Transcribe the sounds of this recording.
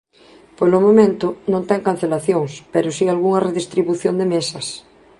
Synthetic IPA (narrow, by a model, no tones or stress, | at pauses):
polomõmẽnt̪ʊnõnt̪ɛŋkan̟θelaθjoŋspeɾʊsialɣuŋɐreðist̪ɾiβuθjond̪emesɐs